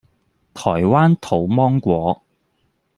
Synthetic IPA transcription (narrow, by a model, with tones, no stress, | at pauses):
t̪ʰɔː˨˩jwaː˥nt̪ʰo˨˩wmɔː˥ŋkʷɔː˨˥